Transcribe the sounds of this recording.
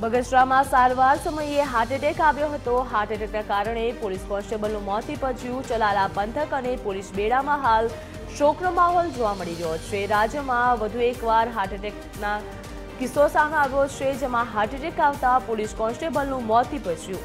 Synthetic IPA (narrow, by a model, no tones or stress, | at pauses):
bəɡəʃɾamãsaɾʋaɾsəməjeɦaɾʈeʈekaʋjoɦət̪oɦaɾʈeʈeknakaɾəɳ̃epoliskɔ̃nsʈebəlnũmɔt̪ʰːipət͡ʃʰjũt͡ʃəlalapənt̪ʰəkənepolisbeɽamãɦal | ʃoknomaɦɔld͡ʒoʋaməɽiɾəɦot͡ʃʰeɾad͡ʒjəmãʋəd̪ʱuekʋaɾɦaʈeʈek | na | kɪsosameaʋjot͡ʃʰed͡ʒemãɦaɾʈeʈekaʋt̪apoliskɔ̃nsʈebəlnũmɔt̪ʰːipət͡ʃʰjũ